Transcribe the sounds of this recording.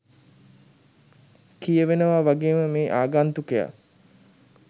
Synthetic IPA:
kijəʋenəʋaːʋaɡeːməmeːʔaːɡant̪ukeja̰

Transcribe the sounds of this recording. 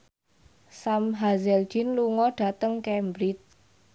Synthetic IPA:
samɦazɛld̥ʒ̥ɪnluŋɔɖ̥a̤t̪əŋkɛmbɾɪt̪̚

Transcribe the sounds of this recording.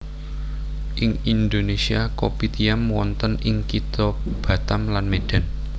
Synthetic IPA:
ʔɪŋind̪onesiakopit̪iamwɔnt̪ənɪŋkit̪ɔb̥ä̤t̪amlanmed̥a̤n

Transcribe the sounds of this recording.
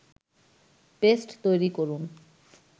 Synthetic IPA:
pesʈt̪ojɾikoɾun

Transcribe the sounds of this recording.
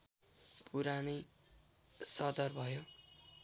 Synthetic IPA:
pʰuɾanʌ | sʌd̪ʌrbʱʌjo

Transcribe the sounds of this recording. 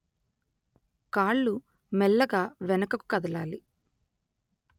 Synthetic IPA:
kaːɭːu | mɛlːɐɡaːʋɛnɐkɐku̥kɐd̪ɐlaːli

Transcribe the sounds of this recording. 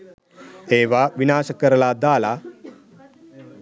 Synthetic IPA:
eːʋaʋinaːɕəkəɾlad̪aːla

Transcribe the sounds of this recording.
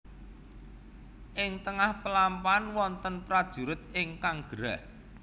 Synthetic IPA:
ʔɪŋt̪əŋahpəlampanwɔnt̪ənpɾad̥ʒ̥ṳɾʊt̪ɪŋkaŋɡ̥əɾa̰h

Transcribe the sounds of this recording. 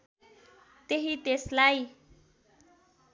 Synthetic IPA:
t̪eɦit̪eslaj

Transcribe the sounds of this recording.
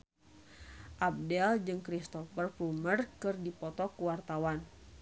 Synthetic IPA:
ʔab̚dɛld͡ʒɨŋkɾist̪ɔfərplumərkɨrdipɔt̪ɔkuwart̪awan

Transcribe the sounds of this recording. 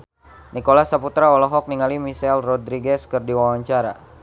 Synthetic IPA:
nikolasaput̪ɾaɔlɔɦɔk̚niŋalimisɛlrɔd̪ɾiɡɛskərdiwawaɲt͡ʃaɾa̰

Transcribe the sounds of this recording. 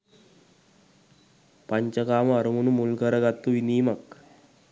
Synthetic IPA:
pəɲt͡ɕəkaːmɐɾumunumulɡʱəɾəɡat̪ːuʋiniːmak

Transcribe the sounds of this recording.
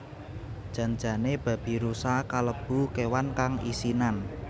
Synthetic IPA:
d̥ʒ̥a̤nd͡ʒa̤neb̥ä̤b̥i̤ɾusakaləb̥ṳkewankaŋḭsinan

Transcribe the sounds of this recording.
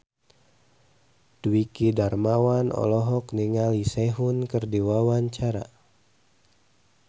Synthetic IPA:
d̥uwikidarmawanɔ̰lɔɦɔkniŋaliseɦunkɨrdiwawaɲt͡ʃaɾa̰

